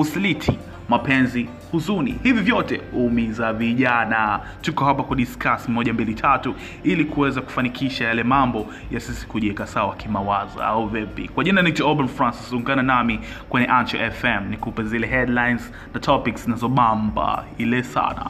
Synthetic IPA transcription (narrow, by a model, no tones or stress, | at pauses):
usilitʰi | mapɛnzi | huzunḭhivivjɔtɛhuːmizaviʄana | tukɔhapakuɗiskasimimɔʄambilitʰatu | ilikuwɛzaku̥fanikʰiʃajalɛmambɔ | jasisi̥kuʄɛkasawakimawaza̰a̰uvɛpḭkwaʄinanituɔlɓanfɾansisuŋɡananami | kwɛɲɛʔantɔ̰ʔɛfɛmnikupɛzilɛɦɛdlajnz | natʰɔpikszinazɔɓamba̰ilɛsa̰na̰